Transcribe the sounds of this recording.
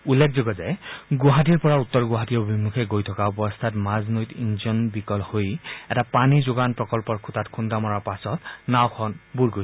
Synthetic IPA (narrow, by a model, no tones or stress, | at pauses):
ulːekʰzoɡɔzɛɡoɦatiɹpɔɹaut̪ːɔɹɡʊɦatiɔobʱimukʰɛɡojtʰɔkaɔbɔst̪ʰatmaznojtinzɔnbikɔlhojɛtapanizoɡanpɹɔkɔlpɔɹkʰutatkʰundamɔɹapasɔtnawkʰɔnbuɹɡoj